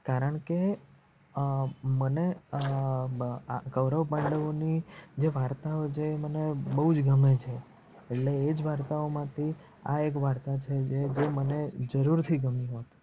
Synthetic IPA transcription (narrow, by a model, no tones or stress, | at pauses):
kaɾəɳ̃ke | məne | aɡəʋɾəʋbə̃ɳɖəʋonid͡ʒeʋaɾt̪aot͡ʃʰeːmənebəɦud͡ʒɡəmet͡ʃʰe | eʈleːd͡ʒʋaɾt̪aomãt̪ʰi | a̰ek̬ʋaɾt̪at͡ʃʰed͡ʒed͡ʒeməned͡ʒəɾuɾt̪ʰiɡəmiɦot̪